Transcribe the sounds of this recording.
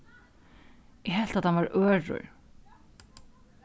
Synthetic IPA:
ɛɦɛl̥t̪at̪hanvaɾœːɾʊ̰ɹ

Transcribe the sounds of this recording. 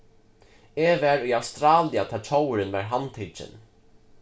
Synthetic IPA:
evɛɾujawst̪ɾaːliat̪ʰɛːlt͡ʃʰowɾɪnvɛɹɦant̪ʰɪt͡ʃɪ̰n

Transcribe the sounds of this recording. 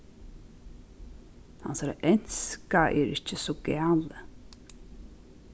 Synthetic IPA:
ha̰nsaːɾa̰ʔɛn̥skaʔɛɾɪht͡ʃɪsɔɡɛːlə

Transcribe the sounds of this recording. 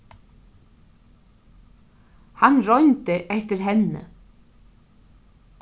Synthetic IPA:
hanrɔjnt̪ɪʔɛht̪ɪɾɦɛnːə̰

